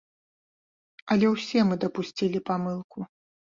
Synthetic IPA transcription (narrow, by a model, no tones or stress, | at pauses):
ɐlʲɛwsʲɛmɨd̪ɐpusʲt͡sʲilʲipamɨlˠku